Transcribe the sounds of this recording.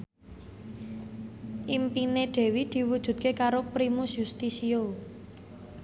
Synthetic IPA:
ʔimpineɖ̪̥ɛ̤wid̪̥i̤wud̥ʒ̥ṳt̪̚kekaɾopɾimusjust̪isio

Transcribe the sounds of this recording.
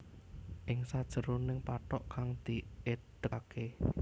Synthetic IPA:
ʔɪŋsad̥ʒ̥əɾunɪŋpaʈɔʔkaŋd̪̥i̤ʔed̪̥əke

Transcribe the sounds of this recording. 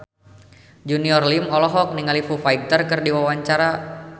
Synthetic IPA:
d͡ʒuniɔrlimɔlɔɦɔk̚niŋalifufaik̚t̪ərkərdiwawaɲt͡ʃaɾa

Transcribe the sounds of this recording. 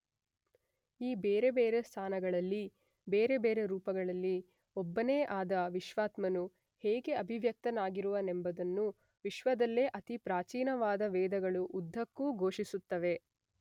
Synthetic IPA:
iːbeːɾe̞beːɾe̞st̪ʰaːnɐɡɐɭɐlːi | beːɾe̞beːɾe̞ɾuːpɐɡɐɭɐlːi | ɔbːɐneːʔaːd̪ɐʋiʃʋaːt̪mɐnu | heːɡe̞ɐbʱiʋjɐk̚t̪ɐnaːɡiɾuʋɐnembɐd̪ɐnːu | ʋiʃʋɐd̪ɐlːe̞ʔɐt̪ipɾaːt͡ʃiːnɐʋaːd̪ɐʋɛːd̪ɐɡɐɭuʔːd̪ʱːɐkːuːɡʱo̞ːʃisut̪ːɐʋe̞

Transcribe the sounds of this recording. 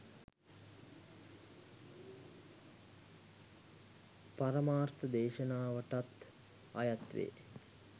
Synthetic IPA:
paɾəmaːrt̪əd̪eːʃənaːʋəʈat̪ | a̰jat̪ʋḛː

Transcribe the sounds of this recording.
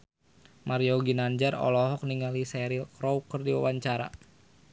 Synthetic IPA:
maɾiɔɡinand͡ʒarɔ̰lɔɦɔk̚niŋalisɛɾilkɾɔwkərdiwa̰waɲt͡ʃaɾa̰

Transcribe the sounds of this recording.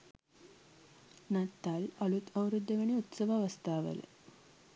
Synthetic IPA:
nɐt̪ːalɐlut̪ɐuɾud̪ːɐʋɐniut̪sɐʋaːʋɐst̪aːʋə̰lə̰

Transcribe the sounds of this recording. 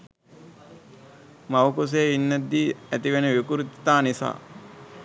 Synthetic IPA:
mawkus̬eːinːæd̪ːiːæt̪iʋenəʋikuɾit̪i̥t̪aːnisa̰ː

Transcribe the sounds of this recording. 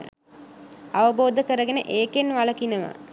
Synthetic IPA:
aʋəboːd̪əkəɾəɡenə̰ʔeːkenʋaləkinəʋa̰

